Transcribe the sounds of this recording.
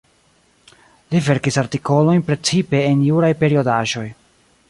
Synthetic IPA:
live̞ɾkisaɾtiko̞lo̞jnpɾe̞t͡sipe̞ːnjuɾajpe̞ɾio̞daʒo̞j

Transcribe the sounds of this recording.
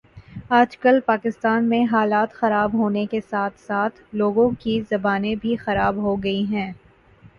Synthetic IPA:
aːd͡ʒkɐlpaːkɪst̪aːnmẽɦaːlaːt̪xɐɾaːbɦoːnekesaːt̪ʰsaːt̪ʰloːɡõkizɐbaːnẽbʱixɐɾaːbɦoɡɐiɦɛ̃ː

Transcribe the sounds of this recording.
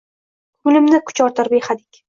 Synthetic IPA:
ʊlɪmnɪkʰʊ̥t͡ʃɒɾt̪ʰɨɾpeχad̪ɪkʲ

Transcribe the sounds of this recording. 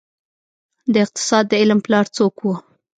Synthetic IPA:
d̪əɪq̚t̪ɪ̥sɑd̪̚ːəɪlmplɑɾt͡sokwu

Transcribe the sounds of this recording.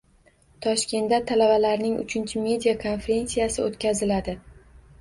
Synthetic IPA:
t̪ʰɒʃkʲe̞nd̪at̪ʰalabalaɾnɪŋʊ̰t͡ʃʰɪnt͡ʃʰɪme̞d̪ijakʰo̞nfe̞ɾʲe̞nsijasɪot̪kʲazɪlad̪ɪ

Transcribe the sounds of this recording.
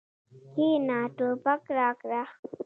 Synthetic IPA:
kiːnaːʈopakɾaːkɾa

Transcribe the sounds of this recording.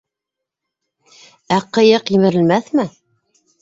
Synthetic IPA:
æqɤ̆jɤqjɘ̆mɘ̆ɾɘ̆lmæθmɘ

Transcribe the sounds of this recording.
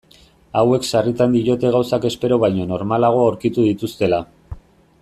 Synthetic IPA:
awe̞ksarit̪and̪iɾo̞t̪e̞ɣ̞awsake̞spe̞ɾo̞βajɲo̞no̞ɾmalaɣ̞o̞awɾkit̪uðit̪ust̪e̞la

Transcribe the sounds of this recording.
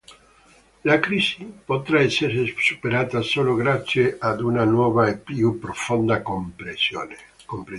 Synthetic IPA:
lakɾisipot̪ɾaeseɾsupeɾat̪asoloɣɾaθjeʔad̪unanwoβaepiupɾofond̪akompɾeso | kompɾe

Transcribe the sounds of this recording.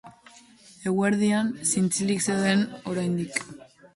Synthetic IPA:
e̞ɣweɾðiansint͡silikseoðe̞no̞ɾajnd̪ik

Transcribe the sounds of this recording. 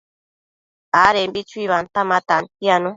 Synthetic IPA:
aɾembit͡ʃuiβant̪amãt̪ant̪janũ

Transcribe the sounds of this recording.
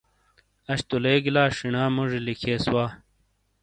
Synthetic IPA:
ɐɕt̪uleːɡilaːʂiɳaːmuʐilikʰeːswaː

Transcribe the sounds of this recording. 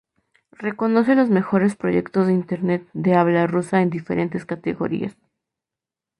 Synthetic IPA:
re̞ko̞no̞s̬e̞lo̞zme̞xo̞ɾe̞spɾo̞ʝe̞kt̪o̞zðeint̪e̞ɾne̞t̪̚d̪e̞aβlarusae̞nd̪ife̞̰ɾʔe̞nt̪e̞skat̪e̞ɣo̞̰ɾḭa̰s

